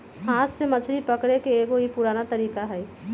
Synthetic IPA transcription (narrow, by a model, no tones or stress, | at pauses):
ɦãːt̪semɐt͡ʃʰɾipɐkɽekeeːɡoɦipuɾaːnat̪ɐɾiːkaɦɛː